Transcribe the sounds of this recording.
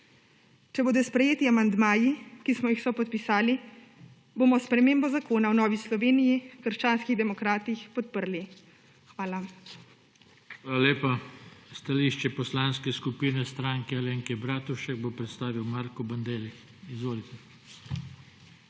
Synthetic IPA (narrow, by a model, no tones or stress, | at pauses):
t͡ʃɛboːd̪ɔspɾɛjeːt̪iamand̪maːjikismɔjixsɔpɔt̪̚pisaːli | boːmɔspɾɛmeːmbɔzakoːnawnɔːʋislɔʋeːnijikəɾʃt͡ʃaːnskiɣd̪ɛmɔkɾaːt̪ixpɔt̪̚pəɾli | xʋaːla | xʋaːlaleːpast̪aliʃt͡ʃɛpɔslaːnskɛskupiːnɛst̪ɾaŋkɛaleːŋkɛbɾaːt̪uʃɛɡ̚bopɾɛt̪st̪aːʋiwmaːɾkɔband̪eːlix | izʋoːlit̪ɛ